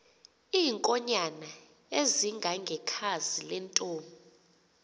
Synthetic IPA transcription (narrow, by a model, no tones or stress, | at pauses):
iːŋkʼɔɲana | eziŋɡʱaŋɡʱɛkʰazilɛntʼoːmɔ